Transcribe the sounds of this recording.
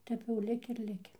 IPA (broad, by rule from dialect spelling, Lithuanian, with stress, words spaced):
ˈtʲɛp jɛʊ ˈlʲɪkʲɪ ɪr ˈlʲɪkʲɪ